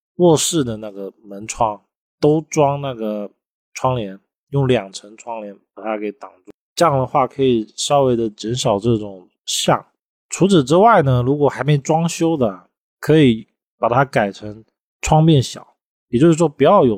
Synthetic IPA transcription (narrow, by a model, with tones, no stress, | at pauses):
wɔ˥˧ʂɻ̩˥˩d̪ə˩na˥˩ɡə˩mə˧˥nʈ͡ʂʰwɑ˥ŋ | t̪o˥ʊʈ͡ʂwɑ˥ŋna˥˩ɡə˩ | ʈ͡ʂʰwɑ˥ŋljɛ˧˥n | jʊ˥˩ŋljɑ˨˩ŋʈ͡ʂʰə˧˥ŋʈ͡ʂʰwɑ˥ŋljɛ˧˥npa˨˩t̪ʰa˥ke˧˥ɪt̪ɑ˨˩ŋt͡su˥˩ʈ͡ʂjɑ˥˩ŋd̪ə˩xwa˥˩kʰɤ˧˥i˨˩ʂɑ˥ʊwe˥˩ɪd̪ə˩t͡ɕə˧˥nʂɑ˨˩ʊʈ͡ʂɤ˥˩ʈ͡ʂʊ˨˩ŋ | ɕjɑ̰˥˩ŋ | ʈ͡ʂʰu˧˥t͡sʰɹ̩˨˩ʈ͡ʂɻ̩˥wa˥˩ɪnə˩ɻu˧˥kwɔ˨˩xa˧˥ɪme˧˥˩ɪʈ͡ʂwɑ˥ŋɕjo˥ʊd̪ə˩˨˩ | kʰɤ˧˥i˨˩˦ | pa˨˩t̪ʰa˥ka˨˩ɪʈ͡ʂʰə˧˥ŋ | ʈ͡ʂʰwɑ˥ŋpjɛ˥˩nɕjɑ̰˨˩˦ʊ | jɛ˨˩t͡ɕo˥˧ʂɻ̩˥˩ʂwɔ˥pu˨˩t͡ɕjɑ˥˩ʊjo˨˩ʊ